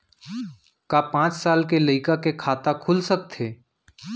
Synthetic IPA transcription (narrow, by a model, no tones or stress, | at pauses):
kapãːt͡ʃsaːlkelɐɪkakekʰaːt̪akʰʊlsək̚t̪ʰeː